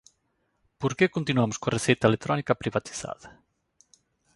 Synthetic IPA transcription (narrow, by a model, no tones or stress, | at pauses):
poɾkekont̪inuamʊskoaresejt̪ɐelet̪ɾɔnikɐpɾiβat̪i̥θa̰ðɐ